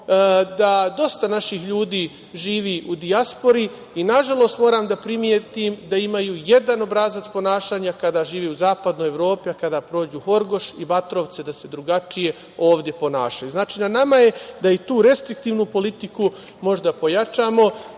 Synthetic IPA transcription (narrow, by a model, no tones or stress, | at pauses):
d̪ad̪o̞st̪anaʃixʎuːd̪iː | ʒiːʋiʔud̪iaspo̞ɾi | inaʒalˠo̞st̪mo̞ːɾaːmd̪apɾimjet̪imd̪aimajuje̞d̪ano̞bɾazat̪spo̞naːʃaːɲakad̪aːʒiːʋiːuzaːpad̪noːjeʋɾo̞ːpiakad̪aːpɾo̞ːd͡ʑuːho̞ɾɡo̞ʃibat̪ɾo̞ʋt̪se̞d̪ase̞d̪ɾuɡat͡ʃije̞ | o̞ːʋd̪je̞po̞naːʃajuznaːt͡ʃiːnanamaje̞d̪ait̪uːɾe̞st̪ɾikt̪iːʋnupo̞lit̪iku | mo̞ʒd̪apo̞jat͡ʃaːmo̞